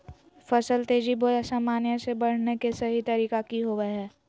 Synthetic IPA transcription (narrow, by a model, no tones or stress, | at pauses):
fɐsəlt̪eːd͡ʒiboɛsaːmaːnjãsebɐɽ̤nekesɐɦit̪ɐɾiːkakiɦoːʋəɦɛː